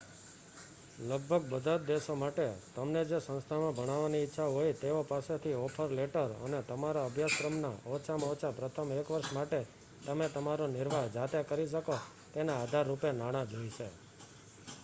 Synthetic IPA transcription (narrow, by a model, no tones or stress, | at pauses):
ləɡ̚bʱəɡ̚bəd̪ʱat̪̚d̪eʃomaʈet̪əmned͡ʒesə̃nst̪ʰamãbʱəɽ̃aʋaniɪtːʃʰaɦojt̪eopaset̪ʰiɔpʰəɾleʈəɾə̰net̪əmaɾaəbʱjaskɾəmna̰ɔt͡ʃʰamɔt͡ʃʰapɾət̪ʰəmekʋəɾʃmaʈe | t̪əmet̪əmaɾonɪɾʋaɦd͡ʒat̪ekəɾiʃ̬əko | t̪enaːd̪ʱaɾːupenaɽ̃ãɡ̪ʱojt͡ʃʰe